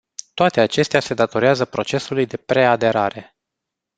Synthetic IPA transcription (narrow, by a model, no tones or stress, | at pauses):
t̪oat̪e̞at͡ʃe̞st̪ease̞d̪at̪o̞ɾeazəpɾo̞t͡ʃe̞sulujd̪e̞pɾe̞ad̪e̞ɾaɾe̞